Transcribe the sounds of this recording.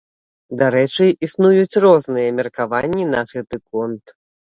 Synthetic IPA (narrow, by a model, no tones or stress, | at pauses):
d̪aɾɛt͡ʂɨisnujut͡sʲrɔznɨjɐmʲɛrkavanʲːinɐɣɛt̪ɨkɔnt̪